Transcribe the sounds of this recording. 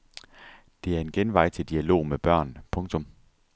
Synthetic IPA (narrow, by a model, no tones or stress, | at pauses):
d̥e̝æɐe̝nɡ̥enʋɑ̈ɪ̰t͡sʰe̝ld̥iælo̝̰ːmeb̥ɶɐ̰npʰɔ̽ŋt͡sʰɔ̽m